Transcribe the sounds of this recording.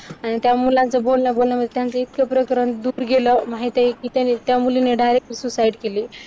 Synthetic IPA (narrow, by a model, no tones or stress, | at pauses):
añit̪jamulãnt͡səbolnjabolnjaməd̪ʱjet̪jãnt͡seit̪kepɾəkɾənd̪uːɾɡeləmaɦit̪eikiːt̪janːit̪jamulineɖajɾek̚t̪isusaiɽkeliː